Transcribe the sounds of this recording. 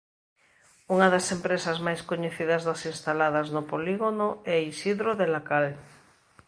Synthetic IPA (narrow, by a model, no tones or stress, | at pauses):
uŋaðasempɾesazmajskoɲeθiðazðasinst̪alaðaznopoliɣonoɛisiðɾoðelakal